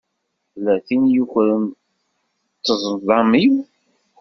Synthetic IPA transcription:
θlːæθinjuçɾən | t͡s̪ːəzˤənðˤɑmiw

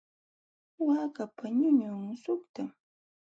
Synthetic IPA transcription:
waːkapaɲʊɲʊmʊsʊkt̪am

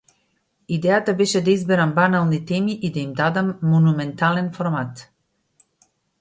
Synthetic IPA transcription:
id̪ɛjat̪abɛʃɛd̪aizbɛɾambanalˠnit̪ɛmiʔid̪aimd̪ad̪amːɔnumɛnt̪alɛnfɔɾmat̪

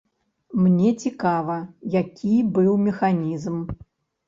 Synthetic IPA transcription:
mnʲɛt͡sʲikavɐjakʲʰibɨwmʲɛxanʲizm

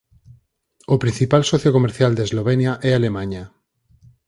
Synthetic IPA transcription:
opɾĩn̟θipalsɔθjokomeɾθjald̪ezloβ̞enjaʔɛalemãɲa

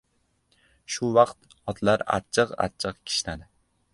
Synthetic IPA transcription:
ʃʊwɑqt̪ | ɒt̪ʰlaɾa̰t͡ʃʰɨqa̰t͡ʃʰɨqkʲʰɪ̥ʃnad̪ɪ

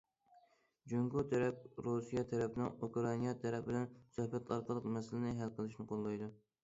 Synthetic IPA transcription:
d͡ʒyŋɡut̪ʰɛɾɛp̚ɾusijɑt̪ʰɛɾɛpɪnɪŋukɾɑnijɑt̪ʰɛɾɛpbɪlɛnsøhbɛt̪ɑɾqʰəɑlˠəqmɛsɪlɪnɪɦælqʰəlˠɨʃnɨqʰolˠːɑjd̪u

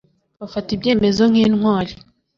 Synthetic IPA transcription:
βafatibje̞ːme̞zo̞ŋ̥hiːnŋwaːɾi

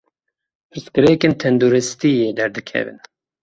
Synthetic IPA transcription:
pʰɨɾskɨɾeːkent̪ʰɛnd̪uːɾɨst̪ijeːd̪ɛɾd̪ɨkʰɛ̰vɨ̰n

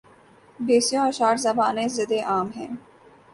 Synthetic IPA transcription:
beːsijõɐʃaːɾzɐbaːnezɪd̪eʔaːmɦɛ̰̃ː

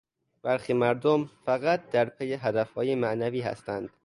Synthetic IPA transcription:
b̥æɾxiːmæɾd̪omfæɣæt̪̚d̪æɾpʰejeɦæd̪æfhɒːjemæʔnæviːhæ̰st̪ænd̪̥

